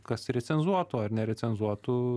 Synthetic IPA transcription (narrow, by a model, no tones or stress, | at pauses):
kɐsɾʲɛsʲɛnzuɔt̪oːɐɾnʲɛɾʲɛt̪t͡ssʲɛnzuɔt̪uː